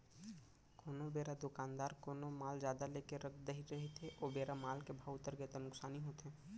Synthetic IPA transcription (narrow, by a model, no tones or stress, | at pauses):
koːnobeːɾad̪ʊkaːnd̪aːɾkoːnomaːld͡ʒjaːd̪aleːkeɾək̚ʰd̪eɦiɾɐɦet̪eʔoːbeːɾamaːlkebʱaːʊt̪əɾɡeːt̪enʊksaːniɦoːt̪ɦɛː